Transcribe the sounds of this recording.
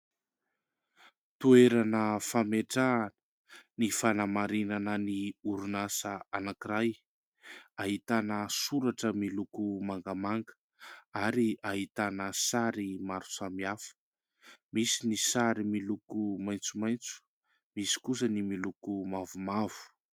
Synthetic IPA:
t̪ueɾanəfameʈ͡ʂaːnə̥ | nifanamaɾinanəniuɾunasəanakiɾaj | aɦit̪anəsuɾaʈ͡ʂəmilukumaŋɡamaŋɡə̥ | aɾiaɦit̪anəsaɾimaɾu̥samiafə̥ | misinisaɾimilukumajnt͡sumajnt͡su̥ | misi̥kus̬ənimilukumavumavu̥

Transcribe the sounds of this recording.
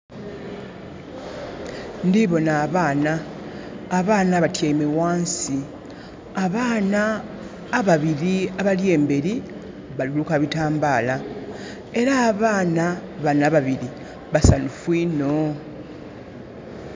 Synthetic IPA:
ndiβo̞naːβaːnaː | βaːnaβatjemewaːnsi | aβaːnaː | βaβiɾiaβalje̞ːmbe̞ɾi | βalulukaβitaːmbaːla | e̞ɾaːβaːnaβanaβaβiɾi | βasanufwiːno

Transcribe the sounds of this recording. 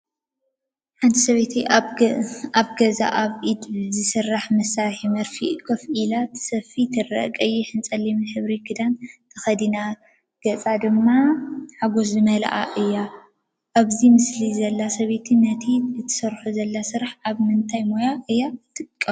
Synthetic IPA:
ħant̪ʰisɐβet̪ʰi | aβɡɐza̰ʔaβʔid̪zɨsɨrːaħmɐsaɾħimɐɾfikʰɐfʔilat̪sɐfit̪ʰɨrɐ̰ʔkʼɐjːɛħɨnt͡sʼɐlːimħɨβɾikʰɨd̪ant̪ʰɐxɐd̪ina | ɡ̥ɐt͡sʼad̪ɨmːaħaɡo̞s̬zɨmɐl̰ʔa̰ʔɨjːa | ʔaβzimɨslizɐlːasɐβet̪ʰinɐt̪ʰiɨt̪ʰːɨ̥sɐɾħuzɐlːasɨɾaħaβmɨnt̪ʰajmojaʔɨjːat̪ʰɨkʼːɐ

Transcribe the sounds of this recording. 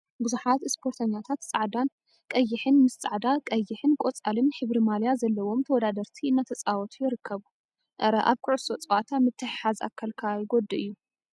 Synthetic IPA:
bɨzuħat̪ɨspʰo̞ɾt̪ʰɐɲːat̪ʰat̪t͡sʼaʕd̪an | kʼɐjːɪħɨnmɨst͡sʼa̰ʕd̪akʼɐjːɪħɨnkʼot͡sʼalɨnħɨβɾimaljazɐlːɐwo̞mt̪ʰɐwɔd̪ad̪ɐɾt̪ʰiɨnːat̪ʰɐt͡sʼawɔt̪ʰujɪɾɨkʰːɐβu | ʔɾɐʔa̰βkʰɨʕʊsʼo̞t͡sʼwat̪ʰamɨt̪ʰːɨħħaza̰kʰːalkʰajɪɡod̪ɨɨjːu

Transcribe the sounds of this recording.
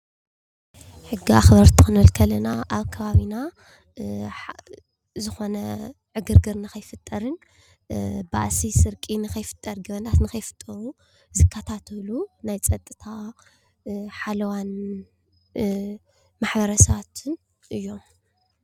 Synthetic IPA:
ħɨɡːiaxbɐɾt̪ʰi̥xɨnɨlkʰɐlɐnaʔaβkʰɐβaβina | zɨxo̞nɐ | ʕɨɡɨɾɡɨɾnakɐjfɨt̪ʼːɐɾɨn | ba̰ʔsisɨɾkʼinɨxɐjfɨ̥t̪ʼːɐɾɡɐβɐnat̪nɨxɐjfɨ̥t̪ʼːɐɾu | zɨkʰːɐt̪ʰat̪ʰɐlunajt͡sʼɐt̪ʼːɨt̪ʰa | ħalɐwan | maħbɐɾɐsɐβat̪ʰɨn | ʔɨjːo̞m

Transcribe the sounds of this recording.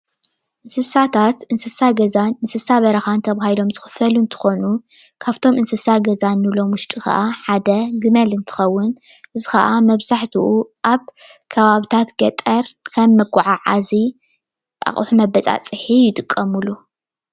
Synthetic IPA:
ʔɨnsɨsat̪ʰat̪ʔɨnsɨsaɡɐzanʔɨnsɨsaβɐɾɐxant̪ʰɐβahilo̞mzɨxɨ̥fɐlunt̪ʰɨ̥xo̞nu | kʰaβt̪ʰo̞mʔɨnsɨsaɡɐzanːɨlo̞mwʊʃt̪ʼixɐ̰ʔaħad̪ɐɡɨmɐlɨnt̪ʰɨ̥xɐwːʊn | ʔɨzixɐ̰ʔamɐβzaħt̪ʰiʔuʔaβkʰɐβaβit̪ʰat̪ɡɐt̪ʼɐɾkʰɐmːɐɡʷʊʕaʕazi | ʔa̰χʼħumɐbɐt͡sʼa̰t͡sʼɨħijɪt̪ʼɨkʼːɐmulu

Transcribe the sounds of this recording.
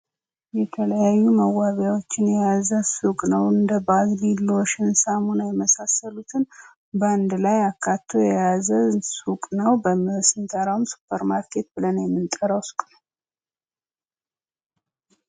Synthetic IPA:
jɛt̪ʰələjajːuməwːaβjawo̞t͡ʃːɪnjɛjazəsukʼnəwɨnd̪əbaɡlilːoʃɪnsamunajɛməsasəlut̪ʰɨn | bnd̪lajakʰːat̪ʰːo̞jɛjazəsukʼnəwbəmɨsɨnt̪ʰʼəɾawumsu̥pʰʼːəɾmaɾkʰe̞t̪̚bɨlənjɛmːɨnt̪ʼəɾəwskʼnəww

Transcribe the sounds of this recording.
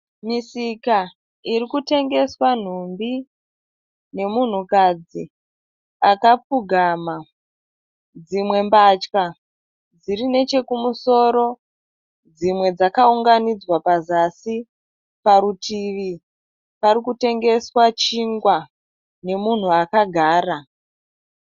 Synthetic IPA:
misika | irikute̞ŋɡe̞swan̤umbi | ne̞mun̤ukad͡zi | akap͡fuɡʱama | d͡zimwe̞mbat͡ʃka | d͡zirine̞t͡ʃe̞kumuso̞ɾo̞ | d͡zimwe̞d͡zakauŋɡanid͡zwapazasi | paɾutʰiʋi | paɾikute̞ŋɡe̞swat͡ʃiŋɡwa | ne̞mun̤uakaɡʱaːra

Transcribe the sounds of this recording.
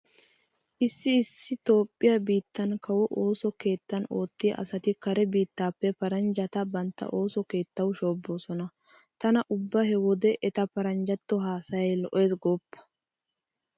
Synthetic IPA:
ʔɪsːɪɪsːɪt̪o̞ːpʼːɪjɐbiːt̪ːɐnkɐwɔʔo̞ːsɔke̞ːt̪ːɐno̞ːt̪ːɪɐʔɐ̰sɐt̪ɪkɐɾɛbiːt̪ːaːpːɛpɐɾɐnd͡ʒɐt̪ɐbɐnt̪ːɐ̰ʔo̞ːsɔke̞ːt̪ːɐwʃoːbːo̞ːsɔnɐ | t̪ɐnɐʔʊbːɐhɛwɔd̪ɛʔɛt̪ɐpɐɾɐnd͡ʒɐt̪ːɔɦaːsɐjɐjlɔʔeːs̬ɡɔːpːɐ̥

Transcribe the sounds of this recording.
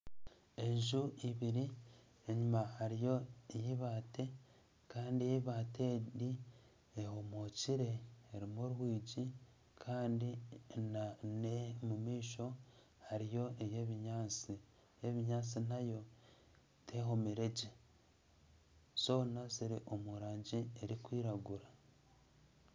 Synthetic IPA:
e̞ɲʒuʔiβiɾi | eɲumahaɾijo̞ejiβate̞ | kaːndiejiβaːte̞di | ehomociɾe̞ːɾimoɾuhwiːɟi | kʰaːndinanemumiːʃo̞ | haɾijo̞ʔejeβiɲaːt͡si | eβiɲaːt͡sinajo̞ | tʰe̞ːɦo̞miɾe̞ɟe | so̞ːnaziɾiʔo̞muɾaːɲɟieɾikwiːɾaɡuɾa

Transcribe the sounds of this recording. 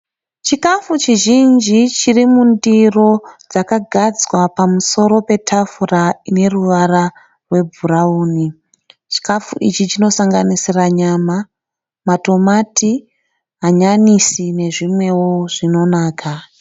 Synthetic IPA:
t͡ʃikafut͡ʃiʒind͡ʒit͡ʃirimundiro̞d͡zakaɡʱad͡zwapamuso̞ɾo̞pe̞tʰafuraine̞ruʋaɾa | rwe̞bʱurauːni | t͡ʃi̥kafuʔit͡ʃit͡ʃino̞saŋɡanisiraɲaːma | mato̞mati | ɦaɲanisine̞ʐimwe̞wo̞ʐ̥ino̞naːkʰa

